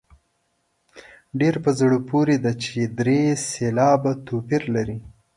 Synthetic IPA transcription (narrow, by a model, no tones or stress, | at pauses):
ɖeɾpəzɽupoɾed̪at͡ʃed̪ɾeselɑbat̪opiɾlaɾi